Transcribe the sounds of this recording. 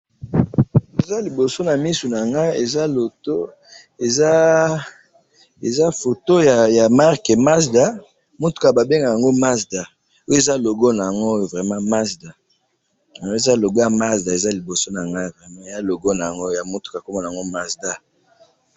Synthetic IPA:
e˨za˦li˨bo˨so˦na˨mi˦su˨na˨ŋɡa˦e˨za˦lo˨to˦ | e˨za˦ | e˨za˦fo˨to˦ja˨ja˨ma˦ʁke˨ma˦sda˦ | mo˦tu̥˨˦ka˨ba˨be˦ŋɡa˨ja˨ŋɡo˦ma˦sda˨ | o˦je˨za˦lo˨ɡo˦na˨ja˨ŋɡo˦jo˨vʁɛ˨mã˦ma˦sda˨ | ja˨ɡo˦e˨za˦˨lo˨bo˦ja˨ma˦zda˨e˨za˦li˨bo˨so˦na˨ŋɡa˦˨vʁɛ˨mã˦e˨za˦lo˨ɡo˦na˨ja˨ŋɡo˦ja˨mo˦tu̥˨ka˨ko˦mɔ˦n˨a˨ŋɡo˦ma˦sda˦

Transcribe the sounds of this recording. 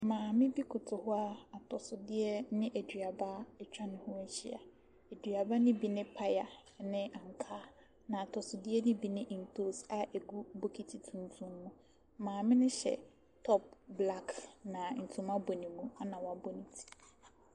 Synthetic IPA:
mãː˨mɪ̃˦bi˦kʰʊ˨tʰʊ˨hʊ˦a˦a˨tʰɔ˨sʊ˨dɪ˦ɛ˦nɪ̃˦ʔɛ˨dɥi˨a˨ba˦ɛ˦t͡ɕᶣa˦nʊ̃˨hʊ̃˦ɛ˦ɕi˦a̰˨ | e˨dɥa˨ba˦nɪ̃˦bi˨nɪ̃˦pʰa˦ja˨nɪ̃˦ʔa˨ŋ˨kʰaː˦ | nã˨a˨tʰɔ˨sʊ˨dɪ˦ɛ˦nɪ̃˦bi˨nɪ̃˦ʔn˨tʰo˦˨sa˨ʔe˨ɡu˦bo˦kʰi˦tʰi˨tʰũ˨n˨˦tʰũ˦mːũ˦ | mãː˨mɪ̃˦nɪ̃˦ɕɛ̰˨ | tʰɔ˦p̚bla˦knã˨n̩˨tʰũ˨mã˦bo˨nĩ˨mũ˦a˦nã˨wa˨bɔ˦nĩ˨tʰi̥˨

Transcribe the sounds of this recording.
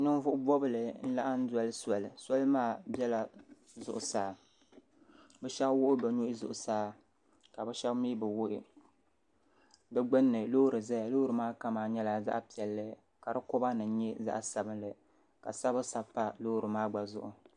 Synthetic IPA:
nɨ˦n˦vʊ˦ʔʊ˦bɔ˦bɨ˨lɨ˨n̩˦la˦ʔa˦n̩˦dɔ˦lɨ˦sa˨lɨ˨sa˦lmaː˦bɛ˦la˨ | zʊ̰˨ʔʊ˨saː˨ | bɛ˦ʃɛ˦kwʊ˦ʔɪ˦bɛ˨ɲu˦ʔɪ˦zʊ̰˨ʔʊ˨saː˦ | ka˨bɛ˦ʃɛ˦bmiː˦bɨ˨wʊ˦ʔɪ˦ | bɛ˦ɡ͡bɨ˦nːɨ˨lo˦hɾɨ˨za˦ja˨lo˦hɾɨ˨maː˦ka˦maː˨ɲɛ˦la˨za̰˦ʔpi˨ɛ˨lːɨ˦ | ka˨ɾɨ˦kʊ˦ba˦nɨ˨˦ɲɛ˦za̰˦ʔsa˨bɨ˦nlɨ˨ | ka̰˨sa˦bɨ˦sa˨bpːa˦lo˦hɾɨ˨maː˦ɡ͡ba˨zʊ̰˦˨ʔʊ˨

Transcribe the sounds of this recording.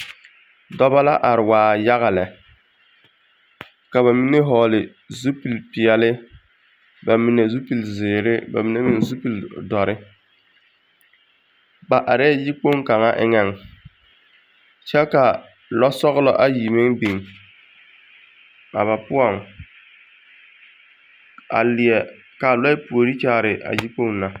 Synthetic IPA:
dɔ˦ba˦la˦ʔa˨ɾɪ˨waː˨ja˦ɣa˨lɛ˨ | ka˨βa˨mi˦ne˦ɦɔː˨lɪ˨ | zu˦pi˨lpɪ˨ɛ˨lɪ˦ | ba˨mi˨ne˨zu˦pi˨lzɪː˨ɾɪ˦ba̰˨mi˨ne˦mi˨n˨zu˦pi˨ldɔ˨ɾɪ˦ | ba˨ʔa˨ɾɛ˦d͡ʒi˦k͡po˦ŋka˨ŋa˦ʔɪ̰˦ŋɛ˨ŋ | t͡ʃɛ˦ka˨ | lɔ˦sɔ˦ɣlɔ˦ʔa˨ji˨mɪ˦ŋbi˨ŋ | a̰˨βa˨pʊ˦ɔ˦˨ŋ | a̰˨lɪ˨ɛ˨ | ka˨la˦ɪ˦pu˨o˨ɾi˦t͡ʃaː˦˨ɾɪ˨ʔa̰˨d͡ʒi˦k͡po˦ŋna˨

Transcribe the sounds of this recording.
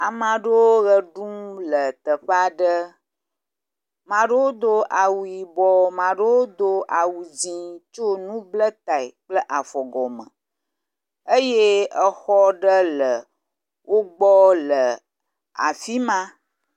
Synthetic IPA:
a˨mã˨ɖə˦wo˦ɣə˨ɖu˦mlə˨t̪ə˨ɸa˦ɖə˦ | mã˨ɖə˦wo˦d̪o˦ʔa˨wu˨ji˨bɔ˦mã˨ɖə˦wo˦d̪o˦ʔa˨wu˨d͡ʑĩ˦t͡ʃo˦nũ˦blə˦t̪a˨i˨k͡plə˦ʔa˨fɔ˨ɡɔ˨mə̰̃˨ | ə˦je˦ə˦xɔ˦ɖə˦lə˨ | wʔo˦ɡ͡bɔ˦lə˨ | a̰˨fi˦mã˦

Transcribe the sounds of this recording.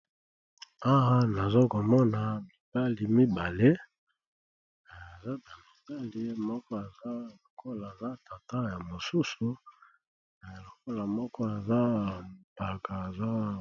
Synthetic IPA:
a˦wa˦na˨zo˦ko˨mɔ˦na˨mi˨ba˦li˨mi˦ba˨le˦˨ | a˨za˦ba˨mi˨ba˦li˦mɔ˦kɔ˦a˨za˦lo˨ko˦la˨za˦ta˨ta˦ja˨mo˨su˦su˨ | lo˨ko˦la˨mɔ˦kɔ˦a˨za˦˨pa˨ka˨e˨za˦

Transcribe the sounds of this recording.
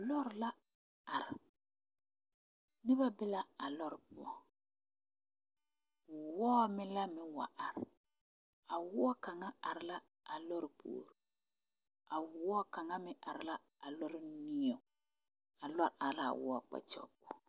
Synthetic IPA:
lɔ˦ɾla˦ | a˨ɾɪ˨ | nɪ˦ba˦bɪ˦la˦a˨lɔ˦ɾɪ˨pʊ˦˨ɔ˨ | wʊ˨wɔː˦mɪ˦la˦mɪ˦wa̰˨ʔa˨ɾɪ˨ | a˨wʊ˦ɔ˦ka˨ŋa˦a˨ɾɪ˨la˦ | a˨lɔ˦ɾɪ˨po̰ː˨ɾ | a˨wʊ˨wɔ˦ka˨ŋa˦mɪ˦ʔa˨ɾɪ˨la˦ | a˨lɔ˦ɾɪ˦ni˦ɛ˨ | a˨lɔ˦ɾa˨ɾla˦a̰˨wʊ̰˦a˦k͡pa̰˨t͡ʃɔ̰˦˨bɔ˨

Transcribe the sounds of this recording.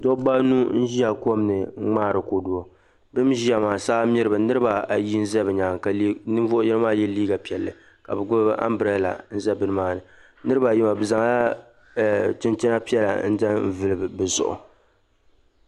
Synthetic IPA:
do˦ba˦nu˦n̩˦ʒi˦a˨ko˦mnɨ˨˦ŋ͡maː˦˨ɾɨ˨ko˨du˨o˨ | bɨ˦m˦ʒi˦a˨maː˨saː˦mɪ˦ɾɨ˦bɨ˨nɨ˦ɾɨ˦ba˨a˨ji˦n̩˦zɛ˦bɨ˨ɲaː˨ŋ˨ka˨˦nɨ˦ɱ˦vo˦ʔʊ˦jɛ˦nɨ˦maː˦jɛ˦liː˦ɡa˨pi˨ɛ˨lːɨ˨ | ka̰˨bɨ˨ɡʊ˦bbɨ˦ʔa̰˦mbɾa˦la̰˨n̩˦zɛ˦bɨ˦nɨ˦maː˦nɨ˨ | nɨ˦ɾɨ˦ba˨ji˦ma˨bɨ˨za˨ŋa˦˨ | tɨ˦ntɪ˦na˦pi˦ɛ˦la̰˨n̩˦da˦vɨ˨lɨ˨bɨ˨bɨ˨zʊ̰˨ʔʊ̰˨

